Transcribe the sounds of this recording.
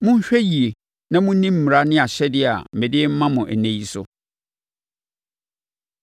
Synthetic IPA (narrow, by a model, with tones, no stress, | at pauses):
mʊ̃˦ɕᶣɛ˦ji˨e˨ | nã˦mʊ̃˦nĩ˦m̩˨mi˨ɾa˦nɪ̃˦a˨ɕɛ˦dɪ˦a̰˨m̩˨e˨dɪ˦m̩˦mã˦mʊ̃˨ʔæ˨nẽ˨ji˦sʊ̰˦